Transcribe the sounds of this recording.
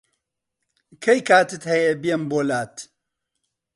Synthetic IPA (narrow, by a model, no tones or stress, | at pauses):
kʰɐjkaːt̪ɨt̪hɐjebijɛmboːlaːt̪